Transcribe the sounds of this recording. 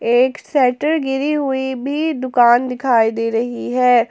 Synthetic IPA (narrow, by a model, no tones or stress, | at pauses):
eːksɛːʈəɾɡɪɾiɦʊibʱiːd̪ʊkaːnd̪ɪkʰaːid̪eːɾɐɦiɦɛː